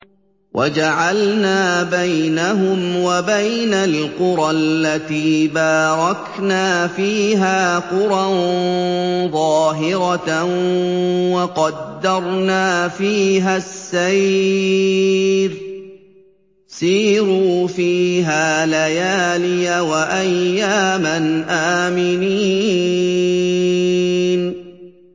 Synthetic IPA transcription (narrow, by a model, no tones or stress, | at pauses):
wʔad͡ʒaʕalnaːbajnaɦʊmwabajnalqʊɾˤɑlːat̪iːbaːɾˤɑk | naːfiːɦaːqʊɾˤɑ | ðˤɑːɦɪɾɑ | wɑqɑd̪ːɑɾˤnaːfiːɦasːaj | ɾ | siːɾuːfiːɦaːlajaːlɪjawaʔajːaːmanʔaːmɪniː | n